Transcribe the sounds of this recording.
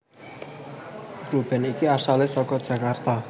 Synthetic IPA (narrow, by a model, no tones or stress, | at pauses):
ɡrub̥ɛ̤nikiasalɪsɔkɔd̥ʒ̥a̤kart̪a